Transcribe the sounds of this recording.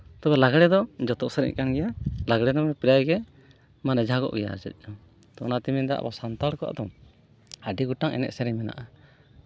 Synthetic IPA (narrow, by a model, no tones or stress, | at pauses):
t̪ɔbɛlaɡɽɛd̪ɔd͡ʒɔt̪ɔʔsɛɾɛ̰ɲkanɡɛjalaɡɽɛd̪ɔmɛpiɾajɡɛ | manɛd͡ʒʱaɡɔ̰ʔɡɛja̰ɾd͡ʒɛ̰c̚ˀɔ | t̪ɔnat̪imind̪ɛa̰basant̪alkɔʔa̰ʔd̪ɔ | aɖiɡuʈaŋɛ̰nɛ̰ʔsɛɾɛɲmɛna̰ʔa